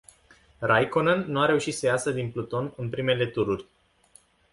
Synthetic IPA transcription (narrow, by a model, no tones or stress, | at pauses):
rajkonənːuaɾe̞uʃit̪səjasəd̪inplut̪o̞nɨnpɾime̞le̞t̪uɾurʲ